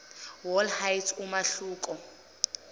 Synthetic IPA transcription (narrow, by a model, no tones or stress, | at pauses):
wɔlhajtʰumaɬuːkʼɔ